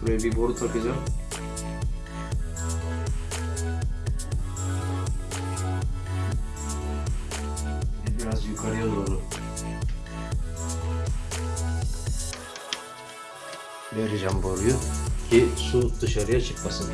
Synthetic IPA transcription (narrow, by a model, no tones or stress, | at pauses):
ɾebiboɾut̪ʰakizan | ɛbiɾazjukʰaɾɯjalˠuɾonu | beɾiʒamboɾujucʰisud̪ɯʃaɾɯjat͡ʃʰɯkmasɯn